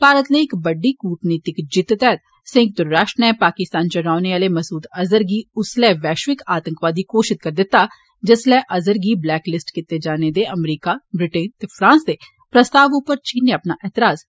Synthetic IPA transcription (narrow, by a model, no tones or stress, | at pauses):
paːɾət̪nẽːɪkbəɖːiːkuːʈniːt̪ɪkd͡ʒɪt̪ːt̪ɛːt̪ | sɪ̃ŋɡk̚d̪ʊɾːaːʃʈnɛːpaːkɪst̪aːnt͡ʃəɾaːʊneaːleːməsuːd̪ɐzəɾɡiːʊslɛːʋɛːʃʋɪkaːt̪ə̃ŋkʋaːd̪iːkoːʃɪt̪̚kəɾd̪ɪt̪ːaː | d͡ʒɪslɛːʔɐzəɾɡiːblɛːklɪsʈkɪt̪ːeːd͡ʒaːneːd̪eːʔəmɾiːkaːbɾɪʈeːnt̪eːpʰɾãːnsd̪eː | pɾəst̪aːʋʊpːəɾt͡ʃiːnːeɐpnaːʔɛːt̪ɪɾaːz